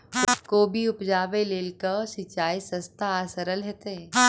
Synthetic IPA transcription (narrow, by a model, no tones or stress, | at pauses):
koːbʱiʊpd͡ʒaːʋeleːlkəsɪt͡ʃaːisə̃st̪ʰaːsəɾəlɦɛːt̪e